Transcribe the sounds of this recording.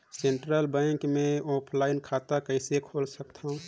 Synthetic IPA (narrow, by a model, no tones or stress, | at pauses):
sẽɳʈɾəlbɛ̃ŋkmẽɔːpʰlaɪnkʰaːt̪akəɪsekʰoːlsəkt̪ʰaũ